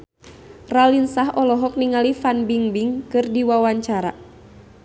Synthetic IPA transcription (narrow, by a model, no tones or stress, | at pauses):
ralinsaɦɔlɔɦɔk̚niŋalifanbiŋbiŋkɨrdiwawaɲt͡ʃaɾa̰